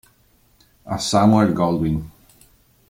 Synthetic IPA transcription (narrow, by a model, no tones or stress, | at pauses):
a̰samwɛɹɡɔlˠwin